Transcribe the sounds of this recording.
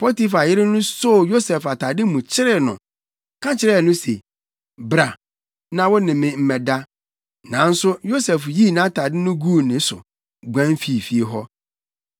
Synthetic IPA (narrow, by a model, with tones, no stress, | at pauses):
pʰɔ˦ti˦fa˨jɪ˦ɾɪ˦nʊ̃˦so˦jo˦sɛ˨fa˨tʰa˨dɪ˦mũ˨t͡ɕʰɪ˦ɾɪ˦nʊ̰̃˨ | kʰã˦t͡ɕʰɪ˦ɾɛ˦˨nʊ̃˦se˨ | bɾa˨ | nã˨wɔ˦nɪ̃˨mɪ̃˨m̩˦mɛ˨da˦ | nã̰˨˦n̩˦sʊ˦jo˦sɛ˨fji˦˨nã˦tʰa˨dɪ˦nʊ̃˦ɡu˦˨nɪ̃˨sʊ˨ | ɡʷã˦m˦fi˨˦˨fi˦e˨ɦɔ˦